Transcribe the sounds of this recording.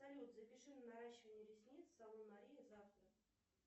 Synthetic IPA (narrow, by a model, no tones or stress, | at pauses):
sɐlʲut̪zəpʲɪʂɨt̪nɐɾaɕːɪvənʲɪəɾʲɪsʲnʲit̪ssɐlˠomɐɾʲijəzaft̪ɾə